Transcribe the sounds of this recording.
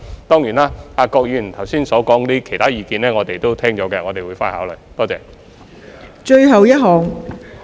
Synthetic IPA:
t̪ɔː˥ŋjiː˨˩naː˧aː˧kɔː˧k̚jyː˧˩˨t̪ʰɐ˨˩wsiː˥nsɔː˨˥kɔː˨˥ŋt̪iː˥kʰe˨˩t̪ʰaː˥jiː˨˧kiː˨˧nlɛː˥ŋɔː˨˧t̪e˨jt̪o˥wt̪ʰɛː˥ŋt͡ʃɔː˨˥kɛ˧ŋɔː˨˧t̪e˨jwuː˨˧jfaː˧˥nha̰ː˨˥wlɵ˨˩jt̪ɔː˥t͡sɛː˧˩ | t͡ʃɵ˧ɥɦɐ˨wjɐ˥t̚ɦɔː˨ŋ

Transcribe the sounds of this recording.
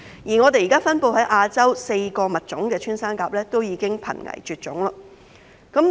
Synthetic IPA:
jiː˨˩ŋɔː˨˧t̪e˨jiː˨˩kaː˥fɐ˥npo˧wɦɐ˨˥jʔaː˧t͡sɐ˥wse˧jkɔː˧mɐ˨˩t̚t͡ʃʊ˨˥ŋkɛː˧t͡ʃʰyː˥nsaː˥nkaː˧p̚lɛː˥t̪o˥wjiː˨˧kɪ˥ŋpʰɐ̰˨˩nŋɐ̰˨˩jt͡ʃyː˨t̚t͡ʃʊ˨˥ŋlɐ˧ | kɐ˨˥m

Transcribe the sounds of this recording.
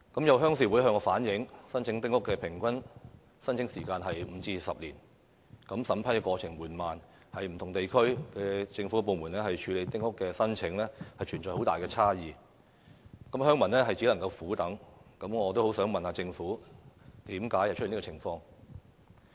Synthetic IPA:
kɐ˨˥mjɐ˨˧wɦœː˥ŋs̬iː˨˩wu˨˥jɦœː˧ŋkɔː˧faː˨˥njɪ˨˥ŋsɐ˥nt͡ʃʰɪ˨˧˥ŋt̪ɪ˥ŋʊ˥kːɛː˧pʰɪ˨˩ŋkʷɐ˥n | sɐ˥nt͡ɕʰɪ˨˥ŋsiː˨˩kaː˧nɦɐ˨jm̩˨˧t͡siː˧sɐ˨p̚liː˨˩n | kɐ˨˥msɐ˨˥mpʰa˨˥jkɛ˧kʷwɔː˧t͡sʰɪ˨˩ŋmuː˨˩nmaː˨˩n | hɐ˨jm̩ʰ˨˩ʊ˨˩ŋt̪e˨jkʰɵ˥ɥkɛ˧t͡sɪ˧ŋfu˨˥kɛ˧po˨wmu˨˩nlɛː˥hɐ˨jt͡ʃʰyː˨˧le˨˧jt̪ɪ˥ŋhʊ˥kːɛː˧sɐ˥nt͡sʰɪ˨˧˥ŋlɛː˥hɐ˨jt͡ʃʰyː˨˩nt͡sɔː˨jho˨˥wt̪aː˨jkɛː˧t͡sʰaː˥jiː˨˧ | kɐ˨˥mɦœː˥ŋmɐ˨˩nlɛː˥ɦɐ˨jt͡siː˨˥lɐ˨˩ŋkɐ˧wfuː˨˥t̪ɐ˨˥ŋkɐ˨˥mŋɔː˨˧t̪o˥who˨˥wsœː˨˥ŋmɐ˨nhaː˨˧t͡sɪ˧ŋfuː˨˥t̪iː˨˥mkaː˨˥jhɐ˨jʰnː˥kɔː˧˨ɪ˨˩ŋfɔː˧ŋ

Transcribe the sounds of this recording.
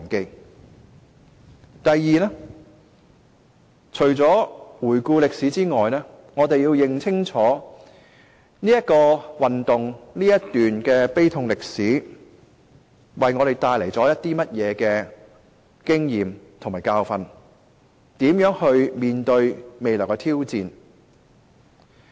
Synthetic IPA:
nke˧ŋ | t̪ɐ˨jjiː˨nɛː˥ | t͡ʃʰɵ˨˩ɥt͡sɔː˨˥wuː˨˩jkuː˧lɪ˨k̚siː˨˥t͡siː˥ŋɔː˨jnɛː˥ | ŋɔː˨˧t̪e˨jiː˧wjɪ˨˩ŋt͡sʰɪ˥ŋt͡sʰɔː˨˥ | niː˥jɐ˥t̚kɔː˧wɐ˨nt̪ʊ˨ŋniː˥jɐ˥t̪yː˨nkɛː˧pe˥jt̪ʰʊ˧ŋlɪ˨k̚siː˨˥ | wɐ˨jŋɔ˨˧ɾe˨˩jt̪aː˧jle˨˩jt͡sɔː˨˥jɐ˥t̚t̪iː˥mɐ˥t̚jɛː˨˧kɛː˧ | kɪ˥ŋjiː˨mt̪ʰʊ˨˩ŋmaː˨˩jkaː˧wfɐ˧n | t̪iː˨˥mjœː˨˥ŋhɵ˧ɥmiː˨nt̪ɵ˧ɥme˨jlœː˨˩kɛ˧t̪ʰiː˥wt͡siː˨˧n

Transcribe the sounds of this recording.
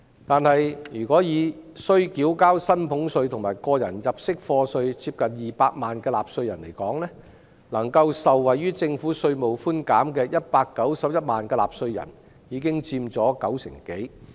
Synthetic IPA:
t̪aː˨nhɐ˨jjyː˨˩kɔː˨˥jiː˨˧sɵ˧ɥkiː˨˥wkaː˥wsɐ˥npʰʊ˨˥ŋsɵ˧ɥt̪ʰʊ˨˩ŋmaː˨˩jkɔː˧jɐ˨˩njɐ˨p̚sɪ˥k̚fɔː˧sɵ˧ɥt͡siː˧p̚kɐ˨njiː˨˩paː˧k̚maː˨˩nkɛː˧laː˨p̚sɵ˧ɥjɐ˨˩nle˨˩jkɔː˨˥ŋlɛː˥ | lɐ˨˩ŋkɐ˧wsɐ˨wːɐ˨jːyː˥t͡sɪ˧ŋfuː˨˥sɵ˧ɥmo˨˩wfuː˥nkaː˨˥mkɛː˧jɐ˥t̚paː˧kːɐ˨˥wsɐ˨˥p̚jɐ˥t̚maː˨nkɛː˧la̰ː˨p̚sɵ˧ɥjɐ̰˨˩n | jiː˨˧˥kɪ˥ŋt͡siː˧mt͡sɔː˨˥kɐ˨˥wsɪ̰˨˩ŋke˨˥j

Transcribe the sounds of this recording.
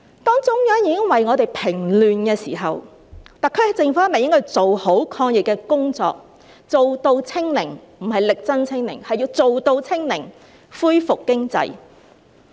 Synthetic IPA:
t̪ɔː˥ŋt͡sʊ˨˥ŋjœː˥ŋjiː˨˧kɪ˥ŋwɐ˨jŋɔː˨˧t̪e˨jpʰɪ˨˩ŋlyː˨nkɛː˧siː˨˩ɦɐ˨w | t̪a˨kʰɵ˧hɐ˨t͡sɪ˨˧ŋfuː˨˦˥me˨jɪ˥ŋkʰɵ˧wt͡so˨who˨˥wkʰɔː˧ŋjɪ˨kːɛː˧kʊ˥ŋt͡sɔ̰ː˧k̚ | t͡so˨wt̪o˧wt͡sʰɪ˥ŋlɪ˨˩ŋm̩˨˩ɦɐ˨jlɪ˨k̚t͡sɐ˥nt͡sʰɪ˥ŋlɪ̰˨˩ŋhɐ˨jːiː˧wt͡so˨wt̪o˧wt͡sʰɪ˥ŋlɪ̰˨˩ŋ | fuː˥jfʊ˨kːɪ˥ŋt͡sɐ̰˧j

